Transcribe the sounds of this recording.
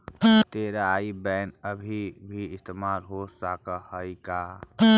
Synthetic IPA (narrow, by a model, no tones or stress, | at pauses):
t̪eːɾaːibɛːnəbʱibʱiɪst̪eːmaːlɦosaːkahəika